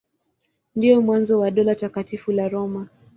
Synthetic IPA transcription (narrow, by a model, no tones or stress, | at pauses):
ndijɔmwanzɔwaɗɔlatakatifulaɾɔma